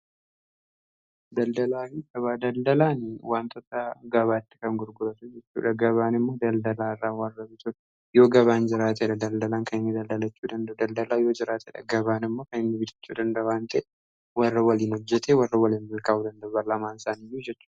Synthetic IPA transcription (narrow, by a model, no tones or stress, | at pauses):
d̪ɐld̪ɐlaːfiːɡɐβaːd̪ɐld̪ɐlaːnwaːnt̪ʰɔt̪ɐɡɐβaːɪt̪ːɪ̥kɐŋɡʊɾɡʊɾɐt̪ʊd͡ʒɛt͡ʃːṵːᶑɐɡɐβaːnɪmːo̞ːd̪ɐld̪ɐlaːɪrːaːwɐrːɐbɪt̪ʊᶑ | jo̞ːɡɐβaːnd͡ʒɪɾaːt̪̬eːᶑɐd̪ɐld̪ɐlaːŋkɐnɪnːɪd̪ɐld̪ɐlɐt͡ʃːuːd̪ɐnd̪ɐd̪ɐld̪ɐlaːjo̞ːd͡ʒɪɾaːt̪ʰeːᶑɐ̰ɡɐbaːnɪmːo̞ːkɐnɪnːɪbɪt̪ʰɪ̥t͡ʃːṵːd̪ɐnd̪ɐbaːnt̪ɐʔ | wɐrːɐwɐliːnhɔd͡ʒːɛt̪ʰeːwɐrːɐwɐliːnmɐlkaːʔuːd̪ɐnd̪ɐbɐlɐmaːnsaːnijːuːd͡ʒɛt͡ʃːuːᶑɐ